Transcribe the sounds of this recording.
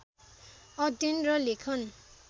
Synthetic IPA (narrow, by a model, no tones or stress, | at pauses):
ʌd̪inrʌlekʰʌn